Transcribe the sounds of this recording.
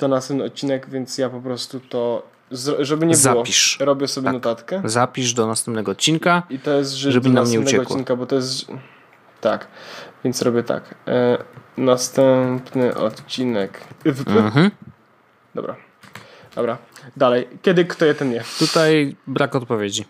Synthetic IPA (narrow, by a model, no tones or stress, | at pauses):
t̪ɔnast̪ɛmpnɨɔt̪̚t͡ɕinɛkvʲjɛnt̪sjapɔpɾɔst̪ut̪ɔ | zɾʐɛbɘɲɛbzawɔiʂɾɔbʲjɛsɔbʲjnɔt̪at̪kɛzapʲiʐd̪ɔnast̪ɛ̃mpnɛɡɔːt̪̚t͡ɕːinkait̪ɔjɛs̬t̪ʐɛʐɛbnamɲɛunɛɛɔt̪̚ːwinkabɔt̪ɔjɛst̪ | t̪akvʲjɛnt̪sɾɔbʲjɛt̪a̰k | nast̪ɛmpnɘʔɔ̰t̪t͡ɕinɛkvɦ̩ | d̪ɔ̰bɾa̰ | d̪̥ɔbɾad̪alɛjkʲɛd̪ɘkt̪ɔjɛt̪ɛnjɛt̪ut̪ajbɾakɔt̪̚pɔvʲjed͡ʑi